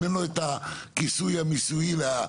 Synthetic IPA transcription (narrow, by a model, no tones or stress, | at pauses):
enoet̪akisujamisuila